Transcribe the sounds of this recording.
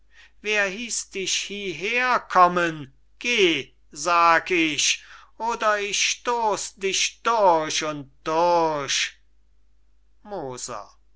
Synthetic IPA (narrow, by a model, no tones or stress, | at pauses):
veːɐɦiːsd̥ɪʃhiːɦeːɐkʰɔmən | ɡ̥eː | zaːɡɪʃʔoːdɐɪʃʃtoːsdɪʃd̥ʊɐʃʊnt̚d̥ʊɐʃ | moːz̥ɐ̰